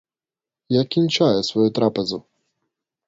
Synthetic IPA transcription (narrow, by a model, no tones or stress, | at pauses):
jakʲinʲt͡ʃajɛsvɔjut̪ɾapɛzu